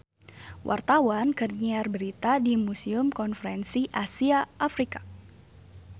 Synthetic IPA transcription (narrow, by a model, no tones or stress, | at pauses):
wʔa̰rt̪awankərɲiarbəɾit̪adimusiʊmkɔnfəɾɛnsiʔasiaʔːfɾikḁ